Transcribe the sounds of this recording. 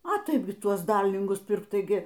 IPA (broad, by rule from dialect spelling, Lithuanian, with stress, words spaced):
ɐ ˈtɐɪp ɡʲɪ ˈtuɔs ˈdɐrʲlʲɪŋɡʊs ˈpʲɪrk ˈtɐɪɡʲɪ